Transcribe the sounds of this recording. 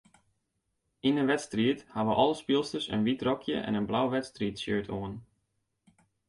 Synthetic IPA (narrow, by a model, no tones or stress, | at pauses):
inəʋɛtstriəthaʋəʔɔlˠəspilˠstəsə̰nʋitrɔkʰjə̰ʔɛ̰nənblawʋɛtstritsøːɹtʰoən